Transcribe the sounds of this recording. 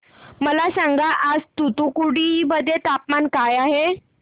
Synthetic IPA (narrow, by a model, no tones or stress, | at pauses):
məlasaŋɡaʔad͡zt̪ut̪ukuɽibəd̪ʱːet̪apmankajaɦe